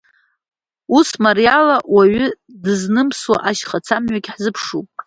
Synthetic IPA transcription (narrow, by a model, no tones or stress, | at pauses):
usmarijalawaɥʏ | dɨznɨmswa̰ʔaʃχat͡sʰamɥaɡʲħzɨpʰʂupʼ